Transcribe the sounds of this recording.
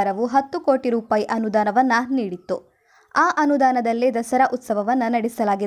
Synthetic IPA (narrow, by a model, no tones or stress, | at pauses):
ɾɐʋuɦɐt̪ːuko̞ːʈiɾuːpaːjiʔɐnud̪aːnɐʋɐnːɐniːɽit̪ːu | aːʔɐnud̪aːnɐd̪ɐlːid̪ɐsɐɾɐʔut̪sɐʋɐʋɐnːɐnɐɽisɐlaːɡid̪